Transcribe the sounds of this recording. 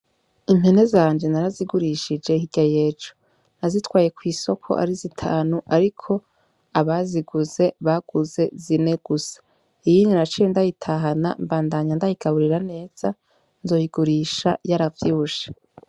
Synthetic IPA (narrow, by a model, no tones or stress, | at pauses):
imhene̞zaːɲd͡ʒe̞naɾaziɡuɾiʃid͡ʒe̞ɦiɡ̥ajeːd͡ʒo̥ | nazitwaːje̞kwiːso̞kʰo̞̰ʔa̰ɾizitʰaːnuʔaɾikʰo̞ | aβaziɡuze̞βaɡ̥uze̞zine̞ɡ̥usḁ | ijiɲinat͡ʃiendajitʰaɦana̰mbaːndaɲandahiɡaβuɾiɾane̞ːz̥a | nzo̞jiɡuɾiːʃajaɾavjiuʃe̥